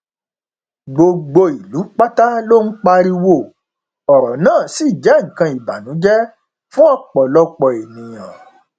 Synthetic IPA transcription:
ɡ͡bo˧ɡ͡bo˧i˨lu˨˦k͡pa˦ta˦lo˦n̩˦k͡pa˧ɾi˧wo˦˨ | ɔ˨ɾɔ˨nãː˦˨si˦˨d͡ʒɛ˨˦ŋ̩̃˨kã˧i˨ba˨nũ˨˦d͡ʒɛ˦ | fũ˦ɔ˦k͡pɔ˨lɔ˦k͡pɔ˧˨e˨nĩ˨j̃ã̰˨

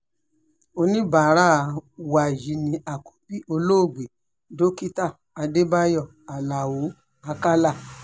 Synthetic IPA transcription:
o˧nĩ˦ba˨ɾa˦˨˦wa˨ji˨˦nĩ˧˦a˨ku̥˨pi˦o˧lo˦o˦˨ɡ͡be˨ | do˦ki˦ta˦˨ | a˧de˦ba˦jɔ˦˨ | a˨la˨wo˨˦ | a˧ka˦la˦˨

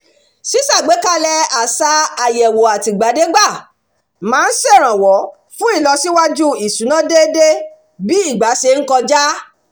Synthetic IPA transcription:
si˦sa˦˨ɡ͡be˨˦ka˦lɛ˧a˨sa˧a˨jɛ˨wo˨a˨ti˨ɡ͡ba˨˦de˨˦ɡ͡ba˦˨ | mãː˨˦n̩˦sɛ˦˨ɾ̃ã˨wɔ˨˦ | fũ˦i˦˨lɔ˧si˦wa˦d͡ʒu˦i˨sũ˨˦nã˦de˦de˦ | bi˦i˦˨ɡ͡ba˨˦se˧ŋ̩˦kɔ˧d͡ʒa˦

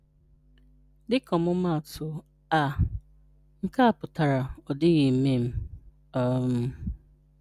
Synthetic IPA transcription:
dɪ˦kʰɔ˨mʊ˦ma˦˨tʰʊ˨ | a˨ | ŋ̩˦ka˦a˨pʊ˨ta˨ɾa˨ɔ˨dɪ˦ɣɪ˨˦me˦m̩˦ | ɔ˦m̩˦

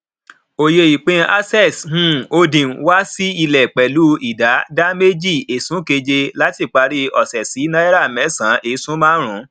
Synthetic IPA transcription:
o˨je˧i˨k͡pẽ˧a˦sɛ˦˨shũ˦o˧dĩ˨˦wa˦si˦i˧lɛ˨k͡pɛ˨lu˨˦i˦˨da˨˦da˦me˦d͡ʒi˦˨e˨sũ˨˦ke˧d͡ʒe˧la˦ti˦˨k͡pa˧ɾi˦ɔ˨sɛ˨si˨˦nã˦i˦ɾa˦˨mɛ˨˦˨sã˨˦ʔe˨˦sũ˦mãː˦ɾ̃ũ˨˦

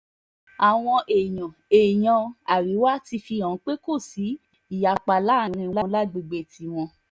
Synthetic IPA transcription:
a˨w̃ɔ̃˧ʔe˨j̃ɔ̃˨e˨j̃ɔ̃˨˧a˨ɾi˨˦wa˦ti˧fi˧ã˨˦k͡pe˦ko˦˨si˨˦ | i˦˨ja˨k͡pa˧˨la˨˦˨ɾ̃ĩ˧la˦˧˦la˦ɡ͡be˧ɡ͡be˦˨tʰi˨˦w̃ɔ̃˧

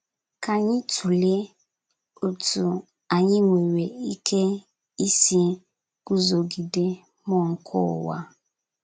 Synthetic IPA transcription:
ka˨ɲɪ˦tʰu˨le˦ | o˨tu˨ | a˨ɲɪ˦ŋʷe˨ɾe˨i˦kʰe˦ | i˦si˦ | ɡ̥u˦zo˨ɡi˨de˦ | mɔ˦˨ŋ̩˦kʰʊ̰˦˨wa̰˦

